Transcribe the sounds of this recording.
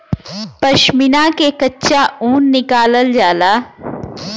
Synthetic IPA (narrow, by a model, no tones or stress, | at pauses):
pɐʃmɪnakekɐtːʃaũːnːɪkaːləld͡ʒaːlaː